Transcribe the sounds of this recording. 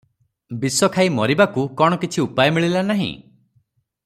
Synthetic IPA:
bisɔkʰaimɔɾibakukɔɽ̃ɔkit͡ʃʰiupajɔmiɭilanaɦḭ̃

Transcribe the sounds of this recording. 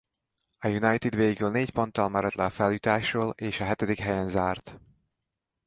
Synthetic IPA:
ɒjunɒjt̪id̪veːɡylneːcpont̪ːɒlmɛɾɛt̪lɛfɛljut̪aːʃroːleːʃɒɦɛt̪ɛd̪ikɦɛjɛnzaːrt̪

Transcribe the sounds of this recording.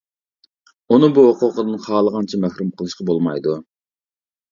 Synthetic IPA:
unɨbuɦoqʊqəd̪ɨnχɑːlˠəʁɑnt͡ʃʰɛmæxɾumqʰəlˠɨʃqɑbolˠmɑjd̪u

